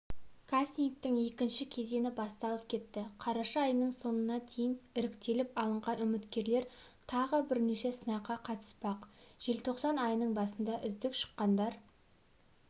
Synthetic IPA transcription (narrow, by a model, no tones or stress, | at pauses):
kʰast̪iŋk̚t̪ɪŋe̞kʲɪnʃɪkʲʰe̞ze̞nɪbɑst̪ɑlˠəp̚kʲʰe̞t̪ːɪqʰɑɾɑʃɑːjnəɴso̞nənɑt̪ʰe̞jɪnɪɾɪkt̪e̞lɪpɑlˠəɴʁɑnʏmɪt̪kʲe̞ɾle̞ɾt̪ʰɑʁəbɪɾne̞ʃe̞sənɑqːɑqʰɑt̪ə̥spɑqʒ̥e̞lt̪ʰo̞qsɑnɑjnəɴbɑsənd̪ɑʔʏzd̪ɪkʃə̥qːɑnd̪ɑɾ